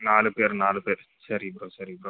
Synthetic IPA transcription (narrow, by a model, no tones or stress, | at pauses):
naːlɨpeːɾnaːlɨpeːɾ | sɐɾibɾoːsɐɾibɾoː